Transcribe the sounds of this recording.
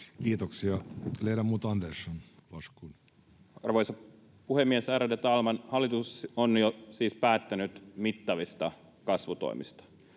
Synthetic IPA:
kiːt̪oksiɑleiɾæmuːt̪ɑnd̪esːɑnlɑskun | ɑ̰rʋojsɑ | puhemːiesæɾædet̪ɑlmɑnhɑlːit̪usonjosiːspæːt̪ːænyt̪mit̪ːɑʋist̪ɑ | kɑsʋut̪o̰imḭst̪ɑ̥

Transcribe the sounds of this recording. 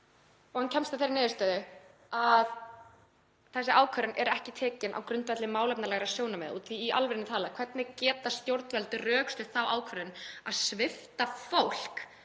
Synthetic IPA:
ɔɣhancʰɛmst̪aθejɾɪnɛːðɪst̪œːðɪ | að | θɛsːɪʔaːwkʰœɾɪnʔɛɾɛhcɪt̪ʰɛːcɪnʔa̰wkɾʏnt̪vɛt̪lɪmaːwlɛpnalɛɣɾasjownamɛ̰ðṵt̪θfiːʔa̰lvɪɾɪnɪt̪ʰaːlakʰv̥ɛɾt̪nɪcɛːt̪ast̪jowɾt̪nvɛlt̪ɪrœːkst̪ʏ̥θawaːwkʰvœɾɪnaðsvɪft̪afowl̥k

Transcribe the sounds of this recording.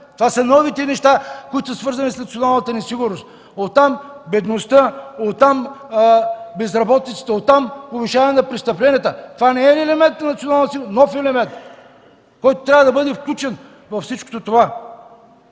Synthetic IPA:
t̪ovasənɔvit̪ɛnɛʃt̪akoit̪ossvɤɾzɐnisnɐt̪sionalˠnət̪ənɛsiɡʊɾnost̪ | ot̪ːambɛd̪nost̪əot̪ːam | bɛzɾɐbɔt̪it̪sə̥t̪əot̪ːamobiʃavnɛnɐpɾɛst̪ɐplɛniət̪ət̪ovanɛɛɛlɛmɛ̃nt̪nɐnɐt̪sionalˠnt̪siɡnɔfɛlɛmɛnt̪ | kɔjt̪o̥t̪ɾʲavəd̪ɐbɤd̪ɛfklʲut͡ʃɛn | vɐfsit͡ʃko̥t̪ot̪ova

